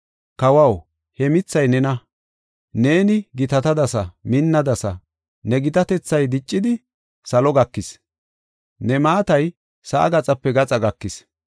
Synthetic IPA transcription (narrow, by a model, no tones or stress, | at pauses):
kɐwɐw | hɛmɪt͡sːɐjnɛnɐ | ne̞ːnɪɡɪt̪ɐt̪ɐd̪ɐsɐmɪnːɐd̪ɐsɐ | nɛɡɪt̪ɐt̪ɛt͡sːɐjd̪ɪt͡ʃʼːɪd̪ɪ | sɐlɔɡɐkːɪs | nɛmaːt̪ɐj | sɐʔɐ̰ɡɐt͡sʼɐpːɛɡɐt͡sʼɐɡɐkːɪs